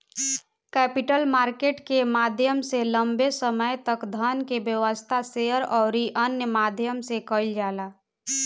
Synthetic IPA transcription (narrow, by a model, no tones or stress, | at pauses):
kɛːpɪʈəlmaːɾkeːʈkemaːd̪ʱjəmseləmbesəməjt̪əkd̪ʱənkebjəʋəst̪ʰaseəɾɔːɾiʔənjəmaːd̪ʱjəmsekəld͡ʒaːlaː